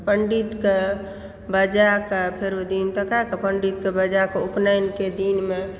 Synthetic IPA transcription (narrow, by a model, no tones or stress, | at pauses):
pəɳɖit̪ke | bəd͡ʒakapʰeɾod̪int̪əkakepəɳɖit̪̚kebəd͡ʒakeuknajnked̪inme